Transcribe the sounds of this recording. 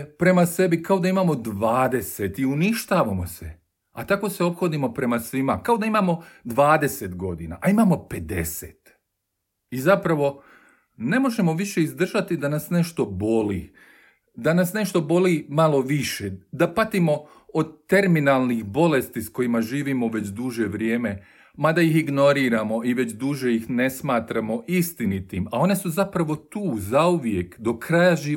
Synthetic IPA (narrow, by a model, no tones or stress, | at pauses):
pɾe̞mase̞bikao̞d̪aimaːmo̞d̪ʋaːd̪e̞set̪iuniʃt̪aːʋamosḛ | a̰t̪ako̞seo̞pxod̪imo̞pɾe̞masʋimakao̞d̪aimaːmo̞d̪ʋaːd̪e̞se̞t̪ɡo̞d̪ina̰ʔaimaːmo̞pe̞d̪e̞̰sḛːt̪ | izapɾaʋo̞ | ne̞mo̞ʒe̞mo̞ʋiʃe̞izd̪r̩ʒat̪id̪anasne̞ʃt̪o̞bo̞lḭː | d̪anasne̞ʃt̪o̞bo̞limalo̞ʋiʃed̪apat̪imo̞ | od̪t̪e̞ɾminalˠnixbo̞le̞st̪isko̞jimaʒiːʋimoʋe̞t͡ɕd̪uʒe̞ʋɾjeːme̞ | mad̪ajixiɡno̞ɾiːɾamo̞iʋe̞t͡ɕd̪uːʒejixne̞smaːt̪ɾamo̞ʔist̪init̪imao̞ne̞suzapɾaʋo̞t̪uːzauʋjekd̪o̞kɾajaʒiː